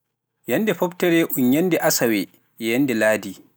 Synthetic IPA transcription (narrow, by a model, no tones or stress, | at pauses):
jɐndɛɸɔbtɛɾɛʔʊɲjɐndɛʔasawɛ | ɛjɐndɛlaːdi